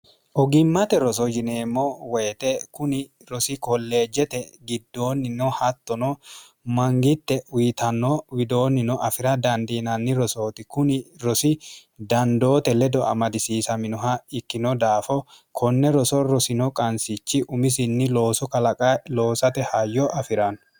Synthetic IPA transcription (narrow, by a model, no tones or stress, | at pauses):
ʔɔɡɪmːɐt̪ɛɾɔs̬ɔd͡ʒɪne̞ːmːowɛjɛt̪ɛkʊnɪ | ɾɔsɪkɔlːe̞ːd͡ʒɛt̪ɛɡɪd̪ːo̞ːnːɪnɔhɐt̪ːɔnɔ | mɐŋɡɪt̪ːɛwijt̪ɐnːɔwɪd̪o̞ːnːɪnɔʔɐfɪɾɐd̪ɐnd̪iːnɐnːɪɾɔso̞ːt̪ɪkʊnɪɾɔsɪd̪ɐnd̪o̞ːt̪ɛlɛd̪ɔɐ̰mɐd̪ɪsiːsɐmɪnɔɦɐɪkːɪnɔd̪aːfɔ | kʰɔnːɛɾɔsɔɾɔsɪnɔkʼɐnsɪt͡ʃːɪʔʊmɪs̬ɪnːɪlo̞ːsɔkɐlɐkʼɐlo̞ːsɐt̪ɛhɐjːɔʔɐfɪɾɐn